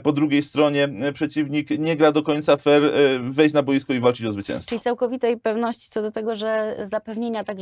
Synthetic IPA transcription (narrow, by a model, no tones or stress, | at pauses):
pɔd̪ɾuɡʲejst̪ɾɔɲɛpʂɛt͡ɕivɲikɲɛɡɾad̪ɔkɔɲʲt̪safɛɾvɛjɕt͡ɕnabɔjiskɔivalt͡ʂɘt͡ɕɔzvɘt͡ɕɛ̰̃w̃st͡ʂlʲit̪sawkɔvʲit̪ɛjpɛvnɔɕt͡ɕit̪sɔd̪ɔt̪ɛɡɔʐɛzapɛvɲeɲat̪aɡʐ